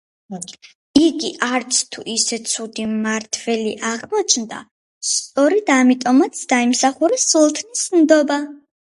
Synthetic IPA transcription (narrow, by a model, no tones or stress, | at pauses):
iɡiʔaɾt̪sʰt̪ʰuʔisɛt̪sʰud̪imaɾt̪ʰvɛliʔaʁmɔt͡ʃʰnd̪a̰ | st̪sʼɔɾɛd̪̥amit̪ʼɔmat̪sʰd̪aimsaχuɾɛsulˠt̪ʰnismd̪ɔba